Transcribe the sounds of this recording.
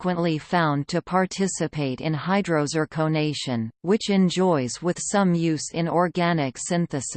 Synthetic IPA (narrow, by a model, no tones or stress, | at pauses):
kwə̃nʔlifãʊ̃ntʰɨpʰɑɹtʰɪsɨpʰeɪɾɨ̰̃nhaɪdɹoʊzə˞kʰoʊneɪʃɨ̃nwɨt͡ʃɨ̃nd͡ʒɔɪzwɪð̥sʌ̃mjʉzɨ̃nɔɹɡænɨksɪ̃nθɨs